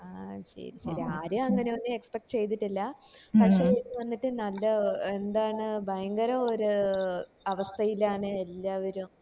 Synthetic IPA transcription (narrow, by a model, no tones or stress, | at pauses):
aːɕɐ̰ɾiɕɐɾiaːɾuɐŋːɐneɐnːɨekspek̚ʈːt͡ɕe̞jt̪̬iʈːilːɐpɐkʂe̞ːikːɨʋɐnːiʈːɨnɐlːɐend̪aːɳɨbʱɐjɐŋɡɐɾɐoɾu | ɐʋɐst̪ʰɐjilaːɳɨe̞lːaːʋɐɾum